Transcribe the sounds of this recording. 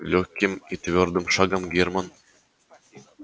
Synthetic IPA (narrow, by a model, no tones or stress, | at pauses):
lʲokʲːimit̪vʲord̪ɤ̆mʃɑɡɑmɡʲerman